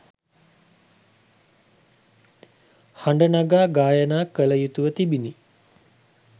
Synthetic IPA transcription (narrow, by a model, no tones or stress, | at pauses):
haɳɖənaɡaːɡaːjənaːkələjut̪uʋət̪ibini